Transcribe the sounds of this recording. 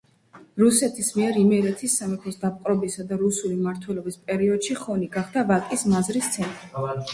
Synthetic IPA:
ɾusɛt̪ʰismiɛɾimɛɾɛt̪ʰisːamɛpʰɔsd̪ap̚ʼqʼɾɔbisad̪aɾusulimaɾt̪ʰwɛlɔbispʼɛɾiɔd̪̥ʃiχɔniɡaχd̪avakʼismazɾist̪sʰɛnt̪ʼi

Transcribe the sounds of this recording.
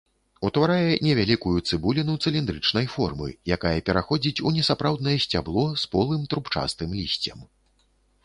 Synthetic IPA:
ut̪vaɾajɛnʲɛvʲalʲikujut̪sɨbulʲinut̪sɨlʲind̪ɾɨt͡ʂnɐjfɔrmɨ̰jakajɛpʲɛɾaxɔd͡zʲit͡sʲunʲɛsapɾawd̪nɐjɛsʲt͡sʲablˠɔspɔlˠɨmt̪ɾupt͡ʂa̰st̪ɨmlʲisʲt͡sʲɐm

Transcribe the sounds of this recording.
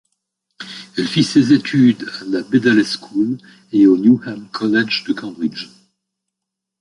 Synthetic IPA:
ɛlfisezet̪ʰyd̪alabed̪ɛlskʰul | eonjuhɛmkʰɔlɛd͡ʒd̪əkɑ̃d̪ʁid͡ʒ

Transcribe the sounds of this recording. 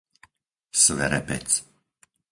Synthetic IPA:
sʋɛ̰ɾɛpɛ̰t͡s

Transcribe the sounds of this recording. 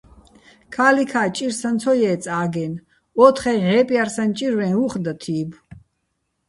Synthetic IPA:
kʰaːlikʰaːt͡ʃʼiɾsant̪t͡s̪ʰɔjɛːt̪t͡sʼaːɡɛn | ɔt̪ʰχɛʕɛːpʼjaɾsant͡ʃʼiɾvɛ̃nuχd̪at̪ʰiːb

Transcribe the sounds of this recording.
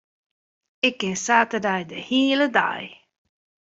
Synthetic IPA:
ɪkːɪnsaːtərdajdəhiːələda̰j

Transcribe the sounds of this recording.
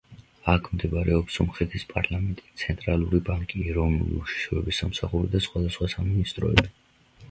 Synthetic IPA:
akʰmd̪ibaɾɛɔpsɔmχɛt̪ʰispʼaɾlamɛnt̪ʼi̥st̪sʰɛnt̪ʼɾalˠuɾibaŋkʼiɛɾɔvnṵlḭuʃi̥ʃɾɔɛbisamsaχuɾid̪asχwad̪asχwasaminist̪ʼɾɔɛ̰bi

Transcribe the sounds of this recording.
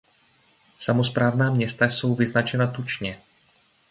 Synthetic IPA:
samo̞spɾaːvnaːmɲɛst̪aso̞wvɪznat͡ʃɛnat̪ut͡ʃɲɛ

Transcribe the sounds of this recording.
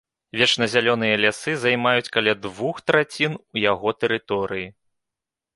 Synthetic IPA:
vʲɛt͡ʂnɐzʲalʲɔnɨjɐlʲasɨzajmajut͡sʲkalʲad̪vuxt̪ɾat͡sʲinujaɣɔt̪ɛɾɨt̪ɔɾɨji

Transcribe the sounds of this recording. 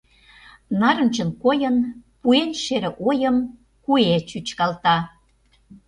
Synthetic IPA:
nɑɾə̆nt͡ɕə̆nkojənpuenʃeɾĕʔojə̆m | kuet͡ɕyt͡ɕkɑlt̪ɑ

